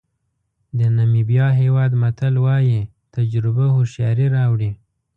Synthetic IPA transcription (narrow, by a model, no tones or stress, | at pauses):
d̪ənamibjɑɦewɑd̪mat̪əlwɑji | t̪ad͡ʒɾɪbahʊʃjɑɾiɾɑwɽi